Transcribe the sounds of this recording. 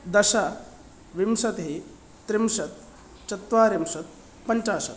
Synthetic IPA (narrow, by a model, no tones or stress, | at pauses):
d̪ɐɕa | ʋimsɐt̪ɦe | t̪ɾimʂɐt̪̚ | t͡ʃɐt̪ʋaːɾimʃɐt̪̚ | pɐɲt͡ʃaːʃɐ̰t̪